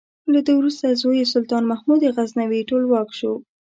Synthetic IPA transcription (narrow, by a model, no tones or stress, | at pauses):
lad̪əwɾust̪azojesʊlt̪ɑnmahmud̪eɣaznawiʈolwɑkʃo